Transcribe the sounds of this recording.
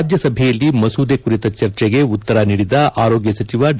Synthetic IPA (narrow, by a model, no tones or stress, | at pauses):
d͡ʒ̪jɐsɐbʱɛjɐlːimɐsuːd̪ekuɾit̪ɐt͡ʃɐɾt͡ʃɛɡe̞ut̪ːɐɾɐniːɽid̪ɐʔaːɾo̞ːɡjɐsɐt͡ʃiʋɐɖ